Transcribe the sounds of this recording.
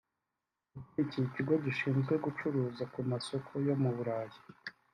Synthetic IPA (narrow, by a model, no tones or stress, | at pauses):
ukeicijiciɡo̞ɟiʃiːnzɡwe̞ɡut͡ʃuɾuːzakumaso̞kʰo̞jo̞muβuɾaːji